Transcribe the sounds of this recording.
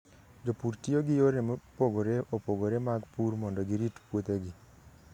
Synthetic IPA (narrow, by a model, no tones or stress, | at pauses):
d͡ʒopuɾtioɡɪjoɾempoɡoɾeʔopoɡoɾemaɡpuɾmɔndɔɡiɾitpwot̪eɡɪ